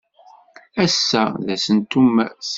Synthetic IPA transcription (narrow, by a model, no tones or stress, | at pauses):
æsːæðæsənt̪ːums